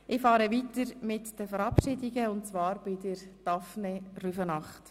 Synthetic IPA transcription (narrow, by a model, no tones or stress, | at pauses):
ʔɪfɑːɾəʋiːtəɾmɪtd̥əfəɾɑpʃɪdiɡəʊntt͡sʋɑːɾb̥ɪdəɾd̥ɑfneryfənɑχt